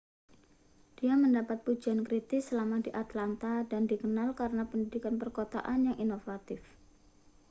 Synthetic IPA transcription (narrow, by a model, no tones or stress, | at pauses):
d̥iaməndapat̪̚pud͡ʒaankɾit̪ɪsəlamadiʔat̪lant̪adandikənalkaɾənapəndidikanpərkot̪a̰ʔanjaŋʔinofat̪ɪf